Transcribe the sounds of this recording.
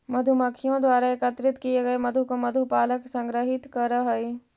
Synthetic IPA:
mɐd̪ʱumɐkʰijõd̪waːɾaekət̪ɾɪt̪kieɡɐemɐd̪ʱukomɐd̪ʱupaːləksɐ̃ŋɡɾəɦɪt̪kɐɾəɦɐi

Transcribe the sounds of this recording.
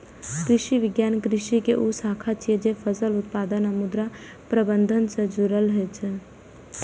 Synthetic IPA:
kɾɪʃiʋɪɡjaːnkɾɪʃikeʔusaːkʰat͡ʃʰied͡ʒefʰəsəlʊt̪paːd̪ənamʊd̪ɾa | pɾəbə̃nd̪ʱənsẽd͡ʒʊɾəlɦet͡ʃʰe

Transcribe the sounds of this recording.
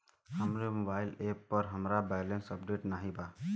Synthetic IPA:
həmɾemobajlepːəɾɦəmɾabajlensəp̚ɖeʈnaɦiba

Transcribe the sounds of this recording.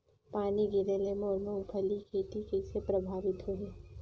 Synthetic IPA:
paːniɡɪɾelemɔːɾmẽʊpʰəlikʰeːʈ̪ikesepɾɐbʱaːʋɪt̪ɦoɦeː

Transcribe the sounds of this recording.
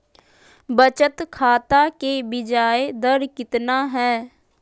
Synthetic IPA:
bət͡ʃət̪kʰaːt̪akebɪd͡ʒaːed̪əɾkɪt̪naɦɛː

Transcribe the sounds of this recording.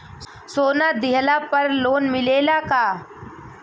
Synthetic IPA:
soːnaːd̪ɪɦəlapɐɾloːnmɪleːlakaː

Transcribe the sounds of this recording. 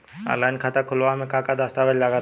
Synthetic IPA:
a̰lajnkʰat̪akʰʊlʋamẽkãkad̪əst̪abəd͡ʒlaɡa

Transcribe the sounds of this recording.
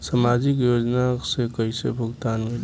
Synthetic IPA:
samad͡ʒɪk̬joːd͡ʒnasekəisḛbʱʊɡt̪aːnmẽ

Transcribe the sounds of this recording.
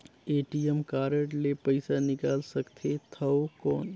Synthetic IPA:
eːʈijəmkaːɾəʈlepɐɪsanɪkaːlsɐkt̪ʰet̪ʰɐokɔːn

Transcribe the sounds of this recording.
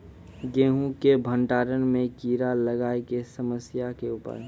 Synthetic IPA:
ɡeːɦũkebʱə̃ɳʈaːɾənmẽkiːɾaləɡaːekesəməsjakeʊːpə̰ɾ

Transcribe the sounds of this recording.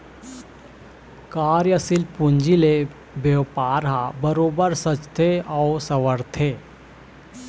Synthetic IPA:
kaːɾjəsilpuɲd͡ʒile | bjepaːɾɦabəɾoːbəɾsət͡ʃt̪ʰeɔwsɐʋəɾt̪ʰeː

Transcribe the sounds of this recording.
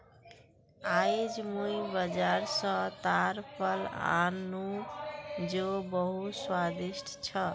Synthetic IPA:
ajd͡ʒmujbəd͡ʒaɾsʌ̃t̪aɾpəla̰nːu | d͡ʒobəɦut̪swad̪iʃʈʰt͡ʃʰʌ

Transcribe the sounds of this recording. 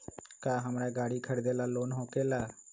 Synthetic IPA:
kaːɦəmɾɛːɡaːɽiːkʰəɽd̪eːlaːloːnɦõːkeːlaː

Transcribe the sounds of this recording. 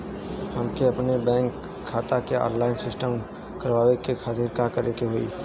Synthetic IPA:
hɐmkeɐpnebɛ̃ːŋkʰː | aːt̪akeɔ̰ːnlaːɪnsɪsʈəm | kəɾʋaːwekekʰaːt̪ɪɾkakəɾekeɦoḭː

